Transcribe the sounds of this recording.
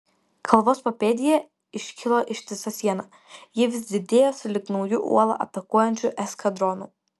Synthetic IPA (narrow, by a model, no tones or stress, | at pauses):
kʰɐlˠʋoːspɔpʲeːd̪ʲɪjɛ | ɪʃʲkʲɪlˠoʔɪʃʲt̪ʲɪsɐsʲiɛnɐ | jiɛʋʲɪsʲd̪ʲɪd̪ʲeːjoːsʲʊlʲɪknɐʊjʊʔṵɔlˠɐ̰ʔɐt̪ɐkuɔjɛnʲt͡ʃʲʊʔɛskɐd̪ɾɔnu